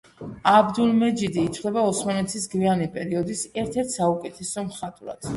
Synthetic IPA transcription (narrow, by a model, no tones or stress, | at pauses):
abd̪ulmɛd͡ʒid̪iːt̪sʰlɛbaɔsmanɛt̪sʰisɡvianipʼɛɾiɔd̪isɛɾt̪ʰɛɾt̪ʰsaukʼɛt̪ʰɛsɔmχat̪ʼuɾa̰d̪̥